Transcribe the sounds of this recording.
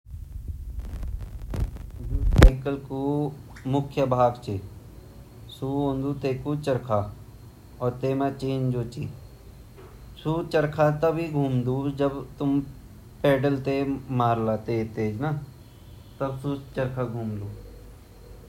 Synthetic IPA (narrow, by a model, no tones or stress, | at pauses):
d͡ʒuːteːkəlkumʊkʰjəbʱaːɡt͡ʃe | suõːnd̪uːt̪eːkut͡ʃəɾkʰaː | ɔːɾt̪eːmãt͡ʃeːnd͡ʒoːt͡ʃiː | suːt͡ʃəɾkʰat̪əbiɡʱuːmd̪uːd͡ʒəbt̪ʊm | peːɖəlt̪emaːɾlaːt̪eːt̪eːd͡ʒna | t̪əbsuːt͡ʃəɾkʰaɡʱuːmd̪uː